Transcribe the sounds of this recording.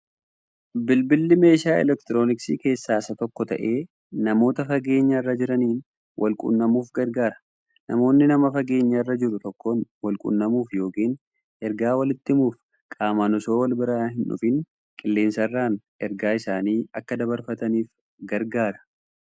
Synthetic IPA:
bɪlbɪlːɪme̞ːʃaːɛ̰lɛkt̪ɪɾo̞ːnɪksiːke̞ːsːaːsɐt̪ɔkːɔt̪ɐ̰ʔe̞ː | nɐmo̞ːt̪ɐfɐɡe̞ːɲːɐɪrːɐd͡ʒɪɾɐniːn | wʔɐlkʼʊ̰nːɐmuːfɡɐɾɡaːɾɐ̥ | nɐmo̞ːnːɪnɐmɐfɐɡe̞ːɲːɐɪrːɐd͡ʒɪɾʊt̪ɔkːoːnwɐlkʼʊ̰nːɐmuːfjo̞ːkiːn | ʔɛɾɡaːwɐlɪt̪ːɪmuːf | kʼaːmanʊso̞ːwɐlbɪɾaːhɪnᶑʊ̰fɪn | kʼɪlːe̞ːnsɐrːaːn | ɛɾɡaːɪsaːniːɐkːɐd̪ɐbɐɾfɐt̪ɐniːf | ɡɐɾɡaːɾɐ̥

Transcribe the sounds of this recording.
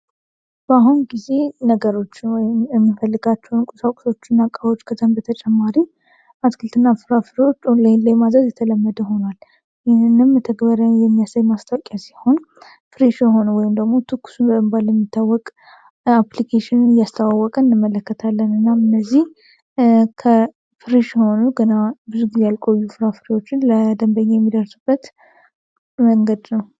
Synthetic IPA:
b̥əaɦunɡize̞nəɡəɾo̞t͡ʃːɪnwɔjɪmjɛmːifəlːɨɡat͡ʃːɛwnkʼusakʷʼu̥so̞t͡ʃːɪnːakʼawo̞t͡ʃːkʰət̪ʰəmbət̪ʰət͡ʃʼɛmːaɾi | ʔaskʰɨlt̪ʰɨnːafɨɾafɨɾot͡ʃːlləjmazəzjɛt̪ʰələmːəd̪əho̞nal | jɪɨnːɨmt̪ʰəɡbəɾjajɛmːijasajmast̪ʰʼawkʼjasiho̞n | fɨɾiʃjɛɦo̞nəwɔjɪmd̪əɡmo̞t̪ʰɨkːu̥sunbəmbalɛmːit̪ʰːawːɔkʼ | aplikʰeʃɪnɨnɨjast̪ʰawawːɔkʼəɨnːɨmːələkːət̪ʰalːənɨnːaɨnːəzːih | kʰə | fɨɾiʃjɛho̞nuɡənabɨzuɡizejalkʼo̞jːufɨɾafɨɾiwo̞t͡ʃːɪnləd̪əmbəɲːajɛmːid̪əɾsubːət̪ | məŋɡəd̪nəw

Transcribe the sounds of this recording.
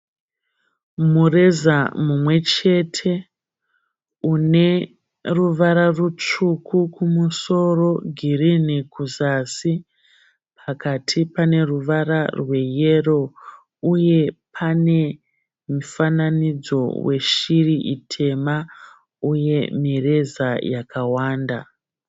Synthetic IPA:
mure̞zamumwe̞t͡ʃe̞tʰe̞ | une̞ | ruʋaɾarut͡ʂukʰukumuso̞ro̞ɡʱiɾinekʰuzasi | pʰakatʰipane̞ruʋaɾarwe̞je̞ro̞ | uje̞pʰane̞ | mufananid͡zo̞̰wʔe̞̰ʃiriʔitʰe̞ma | uje̞mire̞zajakawaːnda̰

